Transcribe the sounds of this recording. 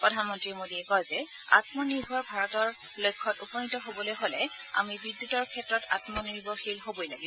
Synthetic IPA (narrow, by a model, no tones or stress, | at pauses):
pɹɔdʱanmɔntɹimodiɛkɔjzɛ | a̰tmɔniɹbʱɔɹbʱaɹɔtɔɹ | lojkʰːɔtupɔnitɔɦobɔlojɦolɛ | a̰mibidːutɔɹkʰɛtɹɔta̰tmɔniɹbʱɔɹxilɦobojlaɡibɔ